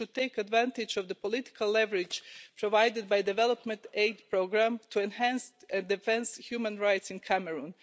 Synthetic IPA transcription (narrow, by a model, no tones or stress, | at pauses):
ʊd̪̚t̪eɪkad̪væ̃nt̪ɪd͡ʒɔvd̪əpɔlɪt̪ɪ̥kʰalˠlɛvəɹɪd͡ʒpʰɾɔʋajdɪd̪̚bajd̪ɛvɛlɔpmɛ̃nt̪eɪd̪pɹoɡɾãmt̪ʰuɛ̃nhæ̃nsɛ̃nd̪ɪfɛ̃nshjumə̃nɹajt̪sɪ̃nkʰæmɛɹũn